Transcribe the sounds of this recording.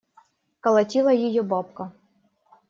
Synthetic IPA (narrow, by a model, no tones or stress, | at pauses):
kɐlˠɐtʲilˠɐjɪjobɑp̚kɐ